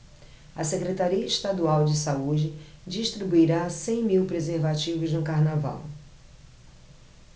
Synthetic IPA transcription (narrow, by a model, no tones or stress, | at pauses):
ɐsekɾet̪aɾiɐɪʃt̪ad̪uawd͡ʒɪsaud͡ʒɪd͡ʒiʃt̪ɾibuiɾasẽj̃miwpɾezeɾvat͡ʃivʊznʊkaɾnava̰w